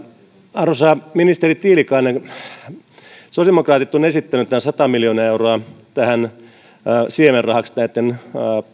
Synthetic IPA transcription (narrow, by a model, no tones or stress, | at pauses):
ɑrosɑminist̪erit̪iːlikɑːne | sosemokrɑːt̪it̪ːonesit̪ːænyt̪ææsɑt̪ɑmiljonɑːeuroɑt̪æhæn | siemerrɑhɑksnæit̪ːen